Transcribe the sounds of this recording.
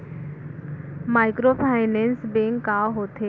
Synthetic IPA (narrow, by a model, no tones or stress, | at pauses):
maːɪkɾopʰaːɪnensbeŋkːaɦoːt̪ʰeː